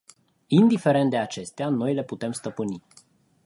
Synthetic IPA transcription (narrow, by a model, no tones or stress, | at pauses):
ind̪ife̞ɾe̞nt̪d̪e̞at͡ʃe̞st̪eano̞jle̞put̪e̞mst̪əpɨni